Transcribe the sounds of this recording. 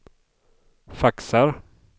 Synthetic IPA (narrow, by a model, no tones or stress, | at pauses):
faksaɾ